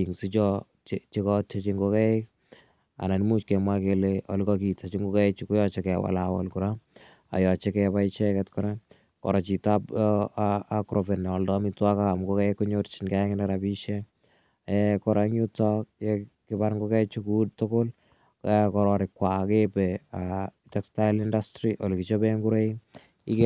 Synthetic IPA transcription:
iŋsit͡ʃɔ | t͡ʃt͡ʃikɔt͡ʃat͡ʃiŋɡokɛek̚ | a̰nanmut͡ʃkɛmwakeleɔ̰lukɔkitat͡ʃiŋɡokɛt͡ʃikojɔt͡ʃekɛwa̰lawɔ̰lkuɾa | a̰jɔt͡ʃekɛpait͡ʃɛkɛtkɔɾa | kɔ̰ɾat͡ʃitapː | kɾʔofɛnɛɔldɔmitwakaamukokɛkoɲort͡ʃinkɛŋɪnɛɾapiʃe | kɔɾaŋjutɔk̚jekɪbaɾŋɡokɛt͡ʃukudtokol | kɔɾɔɾɪkːwakepea | tɛkstalindastɾiʔolukit͡ʃobeŋɡuɾei | ik

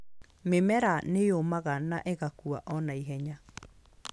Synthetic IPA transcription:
memɛɾanejomaɣanaʔeɣakuaʔɔnaiɦɛɲa

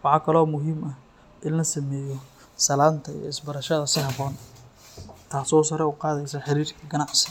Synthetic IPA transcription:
wɑħɑkʰɐlɔːmʊɦiːmɐ | ʔɪnlɐsɐmɛːjɔ | sɐlaːnt̪ʰɐḭɐ̰ɪsbɐɾɐʃɐðɐsɪɦɑβɔːn | t̪ʰaːsɔːsɐɾɛuqɑːðɛjsɐħɑɾiːrkʰɐɡɐnɑʕsɪ̥

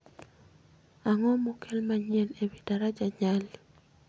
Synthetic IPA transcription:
aŋɔmokʰelmaɲɛlebidaɾad͡ʒaɲali

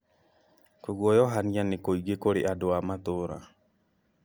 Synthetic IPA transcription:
koɡwɔjɔɦanianekoiɡekoɾeʔadoamat̪oɾa̰

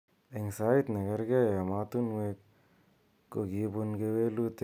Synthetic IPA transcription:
eŋsaːit̪nɐɡɐɾɡejamaːt̪unwek | kːoɡibunɡewelut̪

